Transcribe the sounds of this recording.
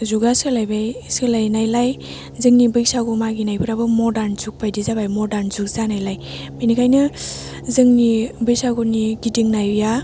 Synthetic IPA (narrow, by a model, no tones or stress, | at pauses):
zuɡaskɯlajbajskɯlajnajlaj | zɯŋnibɯjsaɡumaɡinajpʰɯɾabɯmɔdaɾnzuk̚pajdizabajmɔdaɾnzuk̚zanajlaj | minikʰajnɯ | zɯŋnibɯjsaɡuniɡidiŋnajja